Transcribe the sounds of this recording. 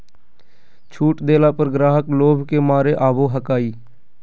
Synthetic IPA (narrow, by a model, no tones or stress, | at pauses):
t͡ʃʰuːʈd̪eːlaːpəɾɡɾaːɦəkloːbʱkemaːɾeʔaːboːɦəkaːiː